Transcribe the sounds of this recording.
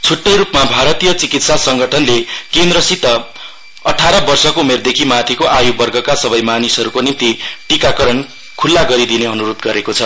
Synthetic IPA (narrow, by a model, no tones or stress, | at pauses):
t͡sʰuʈːʌjɾupmabʱaɾʌt̪ijʌt͡sikit̪sasʌŋɡʌʈʰʌnlekend̪ɾʌsit̪ːʌ | ʌʈʰaɾʌbʌrsʌkoumerd̪ekʰimat̪ʰikoʔajubʌrɡʱʌkasʌbʌjmanisʌɾukonint̪iʈikakʌɾʌn | kʰulːaɡʌɾid̪ineʌnuɾod̪ɡʌɾekot͡sʰʌ